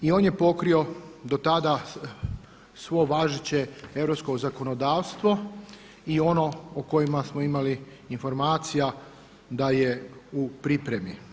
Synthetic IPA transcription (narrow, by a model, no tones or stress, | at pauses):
io̞ːnjepo̞kɾio̞d̪ot̪ad̪a | sʋo̞ʋaʒit͡ɕeeʋɾopskozako̞nod̪aːʋst̪ʋo | io̞no̞oko̞jimasmoimaliː | nfo̞ɾmaːt̪sija | d̪ajeupɾipɾemi